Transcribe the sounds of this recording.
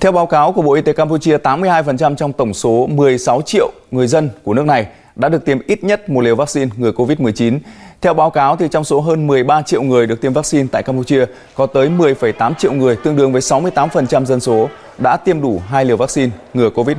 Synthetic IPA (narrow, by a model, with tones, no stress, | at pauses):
t̪ʰɛ˧wɓaː˨˦wkaː˨˦wku˧˩əɓo̰˧ʔi˧t̪e˨˦kaː˧mpu˧t͡ɕi˧ət̪aː˨˦mːɨ˧əjɦaː˧jfə˨˩nt͡ɕa˧mt͡ɕɔ˧wŋ͡mt̪ə˧˩wŋ͡mso˨˦mɨ˨˩əjsa˨˦wt͡ɕḭ˧˨əwŋɨ˨˩əjzə˧nku˧˩nɨ˦˥ək̚na˨˩j | ɗa̰ː˧˥ɗɨ˨˩ək̚t̪i˧˩əmʔi˦˥t̚ɲə˦˥t̚mo˨˩t̚li˨˩əva˦˥ksi˧nŋɨ˨˩əjko˧vi˦˥t̚mɨ˨˩əjt͡ɕi˨˦nt̪ʰɛ˧wɓaː˨˦wkaː˨˦wt̪ʰi˨˩t͡ɕɔ˧wŋ͡mso˨˦ɦəː˧nmɨ˨˩əjɓaː˧t͡ɕḭ˧əwŋɨ˨˩əjɨ˨˩k̚t̪i˧əmvaː˦˥k̚si˧nt̪a̰ː˧˨jkaː˧mpu˧˩t͡ɕi˧ə | kɔ˨˦t̪əː˨˦jmɨ˨˩əjfə˧˩jt̪aː˨˦mt͡ɕḭ˧˨əwŋɨ˨˩əjt̪ɨ˧əŋɗɨ̰˧əŋvəː˨˦jsa˨˦wmɨ˧jt̪aː˨˦mfə˨˩nt͡ɕa˧mzə˧nso˨˦ | ɗa̰ː˧˥t̪i˧əmɗu˧˩ɦaː˧jli˨˩əwvaː˦˥k̚si˧nŋɨ˨˩əjko˧vi˦˥